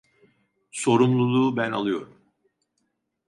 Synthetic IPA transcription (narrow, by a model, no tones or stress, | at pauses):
so̞ɾumlˠulˠuːbæna̰lˠɯjo̞̰ɾum